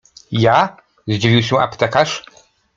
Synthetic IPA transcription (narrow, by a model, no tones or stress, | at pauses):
ja | zd͡ʑivʲiwɕɛa̰pt̪ɛkaʂ